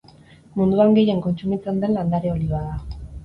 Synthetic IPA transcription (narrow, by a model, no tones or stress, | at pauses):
mund̪uaŋɡe̞je̞ŋko̞nt͡sumit͡se̞nd̪e̞nland̪aɾeoliβaða